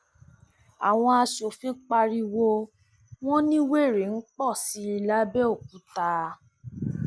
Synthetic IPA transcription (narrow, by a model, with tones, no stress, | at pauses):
a̰˨w̃ɔ̃˧a˧ʃo˨fĩ˦k͡pa˧ɾi˧wo˧ | w̃ɔ̃˦nĩ˦we˦˨ɾe˨˦n̩˦k͡pɔ˦˨si˨˦i˨˧la˦bɛ˦o˦˨k̚u˨˦ta˧